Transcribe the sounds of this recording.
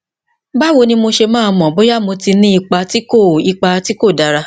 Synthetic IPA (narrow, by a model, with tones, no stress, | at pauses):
ba˦wo˧nĩ˧mo˧ʃe˧mãː˦˧mɔ̃˨bo˦ja˦mo˧ti˧nĩ˦i˧k͡pa˧ti˦ko˦˨i˧k͡pa˧ti˦ko˦˨da˨˧ɾa˧